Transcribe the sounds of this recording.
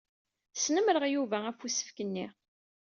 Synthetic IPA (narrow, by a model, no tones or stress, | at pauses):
snəmɾəʁjuvææfusə̥fkənːiʁ